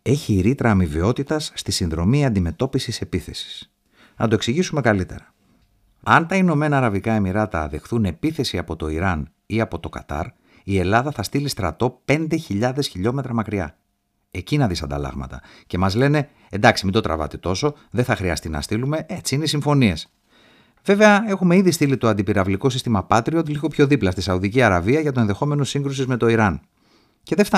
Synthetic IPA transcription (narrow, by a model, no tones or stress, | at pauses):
e̞çiːɾit̪ɾɐːmiveo̞t̪it̪ɐsːt̪isinðɾo̞miɐnd̪ime̞t̪o̞pisise̞piθe̞si̥s | nɐt̪o̞e̞ksiʝisume̞kɐlit̪e̞̰ɾɐ | ɐnt̪ɐino̞me̞nɐːɾɐvikɐe̞miɾɐt̪ɐðe̞xθune̞piθe̞siɐpo̞t̪o̞iɾɐn | iɐpo̞t̪o̞kɐ̰t̪ɐ̰ɾ | ie̞lɐðɐθɐst̪ilist̪ɾɐt̪o̞pe̞nd̪e̞çiʎɐðe̞sçiʎo̞me̞t̪ɾɐmɐkɾiɐ̰ | e̞cinɐðisɐnd̪ɐ̰lɐ̰ɣmɐ̰t̪ɐ̰ | ce̞mɐzle̞ne̞ | end̪ɐksimind̪o̞t̪ɾɐ̰vɐ̰t̪et̪o̞so̞ | ðe̞θɐxɾiɐ̰st̪inɐ̰st̪ilume̞et͡siineisiɱfo̞nie̞s | ve̞ve̞ɐe̞xume̞iðist̪ilit̪o̞ɐnd̪ipiɾɐvliko̞sist̪imɐpɐt̪ɾio̞t̪liɣo̞pço̞ðiplɐst̪isɐuðiciɐɾɐviɐʝɐt̪o̞enðe̞xo̞me̞no̞siŋɡɾus̬izme̞t̪o̞iɾɐn | ce̞ðe̞ft̪